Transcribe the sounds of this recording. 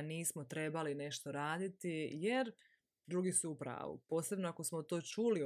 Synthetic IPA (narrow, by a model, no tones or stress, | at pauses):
niːsmot̪ɾe̞baline̞ʃt̪o̞ɾaːd̪it̪ijeɾ | d̪ɾuːɡisuːpɾa̰ːʋṵpo̞ːse̞bnoako̞smo̞t̪o̞ːt͡ʃuli